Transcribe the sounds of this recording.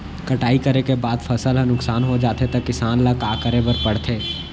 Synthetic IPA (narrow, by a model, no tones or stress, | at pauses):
kɐʈaːikɐɾekebaːd̪fʰɐsəlɦɐnʊksaːnɦod͡ʒaːt̪et̪ɐkːɪsaːnlakaːkəɾebəɾpɐɽt̪ʰeː